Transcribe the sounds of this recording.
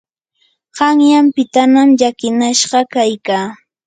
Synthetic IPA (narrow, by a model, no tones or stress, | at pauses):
ɢ̥ɑŋjampɪt̪anamʎakɪnaʃɢɑkajkaː